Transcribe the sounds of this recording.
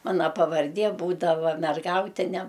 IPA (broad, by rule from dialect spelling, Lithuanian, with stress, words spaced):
ˈmɑːnɐ pɐʋɐrʲˈdʲiɛ ˈbuːdɐʋɐ mʲɛrˈɡɐʊtʲɪnʲɛ